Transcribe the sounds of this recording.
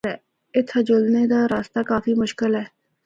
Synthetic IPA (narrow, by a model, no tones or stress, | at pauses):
ɛː | ɪt̪ʰəd͡ʒolneːd̪aːɾaːst̪aːkaːfʰiːmʊʃkɪlɦɛː